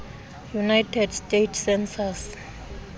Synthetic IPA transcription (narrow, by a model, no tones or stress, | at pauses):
junajtʰɛdstetʰsɛnsas